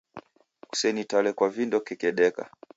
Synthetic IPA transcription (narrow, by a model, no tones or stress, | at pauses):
ku̥sɛnitalɛkwavindɔkɛkɛɗɛka̰